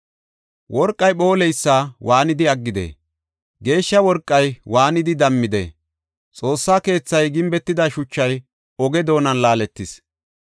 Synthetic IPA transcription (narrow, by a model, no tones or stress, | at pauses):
wʔɔɾkʼːɐjɓo̞ːlɛjsːaːwaːnɪd̪ɪɐɡːɪd̪ḛː | ɡe̞ːʃːɐwɔɾkʼːɐjwaːnɪd̪ɪd̪ɐmːɪd̪ḛ | t͡sʼo̞ːsːaːke̞ːt͡sːɐjɡɪmbɛt̪ːɪd̪ɐʃʊt͡ʃːɐj | ɔɡɛd̪o̞ːnɐnlaːlɛt̪ːɪs